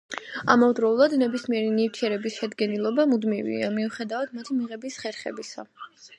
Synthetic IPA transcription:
a̰mɔvd̪ɾɔulˠad̪nɛbismiɛɾinift̪ʰiɛɾɛbisʃɛd̪ɡɛnilˠɔbamud̪mivḭamiuχɛd̪avad̪mat̪ʰimiʁɛbisχɛɾχɛbisa̰

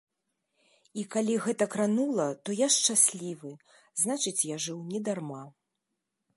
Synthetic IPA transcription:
ikalʲiɣɛt̪ɐkɾanulˠɐt̪ɔjaʂt͡ʂasʲlʲivɨ | znat͡ʂɨt͡sʲjaʐɨwnʲɛd̪arma

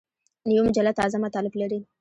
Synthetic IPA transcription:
nəjwimʊd͡ʒalːat̪ɑzamat̪ɑlɪblaɾi

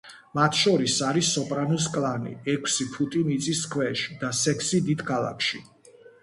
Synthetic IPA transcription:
mat̪ʰʃɔɾisaɾisːɔpʼɾanus̬kʼlˠanḭɛkʰsipʰut̪ʼimit̪sʼiskʰwɛʃi̥d̪asɛkʰsid̪id̪̥kʰalˠa̰kʰʃi

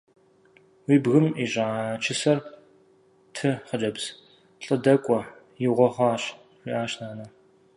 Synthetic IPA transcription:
wiːbɣɨmiʑʼat͡ʃʰɪsɐr | tʰɨχəd͡ʒɐbz̥ | ɬʼɨdɐkʷʼɔ | jɪʁʷɔχʷɑːɕ | wiʔaːɕnaːnɐ

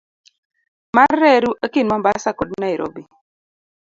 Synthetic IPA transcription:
marːɛɾuʔekinmambasakodnaiɾʔɔ̰bi

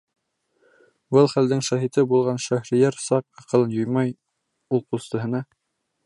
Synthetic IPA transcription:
bɤlˠχæld̪ɘŋʃæɦit̪ɘbulˠʁɑnʃæhɾĭjæɾsɑq̚ɑqɤ̆lˠɤnjŏjmɑj | ulˠqust̪ɤ̆ɦɤ̆nɑ

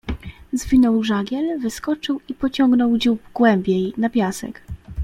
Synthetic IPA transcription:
zvʲinɔwʐaɡʲjɛlvɘskɔt͡ʂɘwipɔt͡ɕɔŋɡnɔwd͡ʑubɡwɛmbʲjejnapʲjasɛ̰k

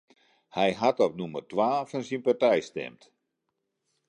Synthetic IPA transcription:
hɛjɦatɔp̚numərtʋaːfansinpatɛjstɛ̰mt

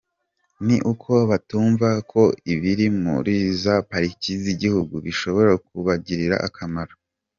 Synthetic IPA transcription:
niʔukʰo̞βatuːɱvakʰo̞iβiɾimṵɾizapaɾiciziɟihuɡuβiʃo̞βo̞ɾakuβaɟiɾiɾa̰ʔakʰamaɾo

